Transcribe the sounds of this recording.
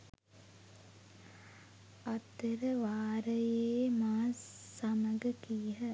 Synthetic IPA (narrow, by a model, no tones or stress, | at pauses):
ɐt̪ːeɾəʋaːɾəjeːmaːsɐməɡəkiːɦə